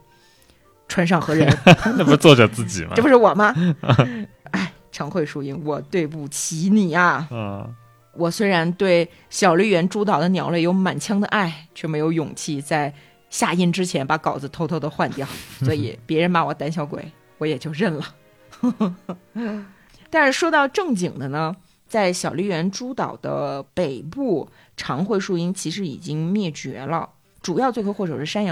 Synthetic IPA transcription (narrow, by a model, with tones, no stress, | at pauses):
ʈ͡ʂʰwa˥nʂɑ˥˩ŋxɤ˧˥ɻə˧˥ne˥˩˧t͡swɔ˥˧ʈ͡ʂə˥˧˩t͡sɹ̩˥˩t͡ɕḭ˨˩m̰˥˩pʊ˥ʂɻ̩˥˩wɔ˨˩mɐ˦ | a˥˩ɪ | ʈ͡ʂʰɑ˧˥ŋxwe˥˩ɪʂu˧˥i˥˩ŋwɔ˨˩t̪we˥˧ɪp̬u˥˩t͡ɕʰi˧˥ni˨˩ɐ˧˩˧ | wɔ˨˩swe˥ɪɻa˧˥nt̪we˥˩ɪ | ɕjɑ˨˩ʊli˥˩ɥɛ˧˥nʈ͡ʂu˥t̪̬ɑ˨˩ʊd̪ə˦njɑ˨˧˥ʊlwe˥˩ɪjo˧˥ʊma˨˩nt͡ɕʰjɑ˥ŋd̪ə˧ʔa˥˩ɪt͡ɕʰɥɛ˥˩me˧˥ɪjo˧˥ʊjʊ˨˩ŋt͡ɕʰi˥˩t͡sa˥˧ɪ | ɕja˥˧i˥˩nʈ͡ʂɻ̩˥t͡ɕʰjɛ˧˥npa˧˥kɑ˨˩ʊd͡zə˦t̪ʰo˥ʊt̪ʰo˥˧ʊd̪ə˧xwa˥˧nt̪jɑ˥˩ʊswɔ˧˥ḭ˨˩˦pjɛ˧˥ɻə˧˥nma˧˥wɔ˨˩t̪a˥nɕjɑ˧˥ʊkwḛ˨˩˦ɪ | wɔ˧˥jɛ˨˩t͡ɕjo˥˧ʊɻə˥˩nlə˩ | t̪a˥˧nʂɻ̩˥˩ʂwɔ˥t̪ɑ˥˧ʊʈ͡ʂɤ˥˩ŋt͡ɕi˨˩ŋd̪ə˦nə˧ | t͡sa˥˩ɪɕjɑ˨˩ʊli˥˩ɥɛ˧˥nʈ͡ʂu˥t̪ɑ˨˩ʊd̪ə̰˦pe˨˩ɪpu˥˩ | ʈ͡ʂʰɑ˧˥ŋxwe˥˧ɪʂu˥˧i˥ŋt͡ɕʰi˧˥ʂɻ̩˧˥ḭ˨˩t͡ɕi˥ŋmjɛ˥˩t͡ɕɥɛ̰˧˥lə̰˧ | ʈ͡ʂu˨˩jɑ˥˧ʊt͡swe˥˧ɪo˥xwɔ˥˩ʈ͡ʂɤ˨˩ʂɻ̩˥˩ʂa˥njɑ˧˥